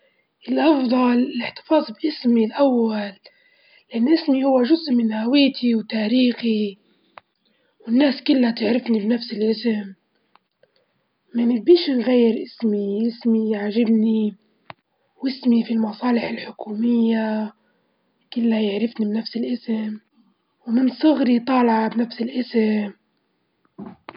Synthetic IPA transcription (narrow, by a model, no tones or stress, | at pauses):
ʔɪlʔɑfd̪ˤɑlɪlɪħt̪ɪ̥fɑːzˤbʔɪsmilʔawːalː | ɪʔanːʔɪsmihʊwːaʒʊzʔmɪnhawiːt̪ʰiwt̪aːɾiːxi | wɪnːaːskɪlːat̪ɪʕɾɪfnibnafsɪlʔɪsɪm | manɪbiːʃnɣajːɪɾʔɪsmiʔɪsmijʕʒɪbni | wʔɪsmifilmɑsˤɑːlɪħɪlħʊkuːmɪjːa | kɪlːajɪʕɾɪfnibnafsɪlʔɪsɪm | wmɪnsˤʊɣɾit̪ˤɑːlʕɑbnafsɪlʔɪsɪm